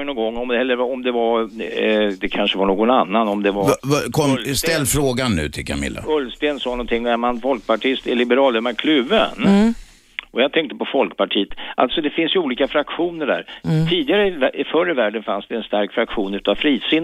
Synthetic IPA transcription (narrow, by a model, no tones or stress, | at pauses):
nɔŋɡɔŋːɔmd̪ɛhɛlːəɾvɔmd̪ɛva | d̪ɛkʰanʂəvaɳoːɡɔnanːanɔmd̪ɛvakʰɔmst̪ɛlːfɾoːɡanːʉ̟̰ːt̪ʰɪlkʰa̰mɪ̰lːa̰ɵlst̪eːnsɑːɡnɔnt̪ɪŋːnɛamanfɔlk̚paʈʰɪst̪ɛlɪbəɾɑːld̪ɛmaɾkʰlʉvːə̰n | ʔɔjaɡt̪ʰɛŋk̚t̪əpʰɔfɔlkpaʈʰiːət̪ʔa̰lt̪sɔd̪ɛfɪnsjəuːliːkafɾakɧuːnəɖæ̰ːɾtʰiːd̪ɪɡaɾəɪvʔɪfœɾəvæːɖənfansd̪ɛːnst̪aɾkfɾakɧuːnʉ̟ːt̪avfɾiːsɪn